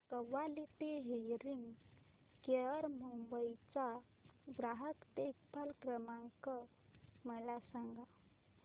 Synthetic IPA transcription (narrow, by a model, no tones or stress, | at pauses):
kəʋalit̪eɦejɾiŋɡ | keɾmumbəjt͡sa | ʋɾaɦəkt̪ekpʰalkɾəmãŋkə | məlasəŋɡa